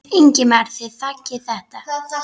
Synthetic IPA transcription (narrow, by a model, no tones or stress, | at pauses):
eɲcɪmaɾ̥θɪðθacːɪθɛht̪a